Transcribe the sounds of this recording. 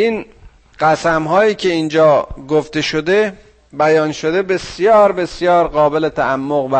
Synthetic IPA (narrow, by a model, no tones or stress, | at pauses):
ʔiːn | ɢ̥æsæmɦɒːjiːcʰe̞iːnd͡ʒɒːɡoft̪e̞ʃod̪e̞ | bæjɒːnʃo̞d̪e̞be̞sjɒːɾbe̞sjɒːɾɢɒːbelet̪ʰæʔæmːoɣvæ